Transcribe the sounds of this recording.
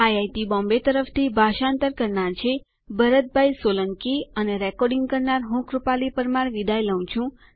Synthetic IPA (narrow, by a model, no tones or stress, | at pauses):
ajajt̪ibɔ̃mbet̪əɾəft̪ʰibʱaʃant̪əɾkəɾnaɾt͡ʃʰe | bəɾət̪̚bʱajsoləŋkiəneɾɛkɔɾɖiŋɡkəɾnaɾɦũkɾupalipəɾmaɾʋid̪ʱajləw̃t͡ʃʰũ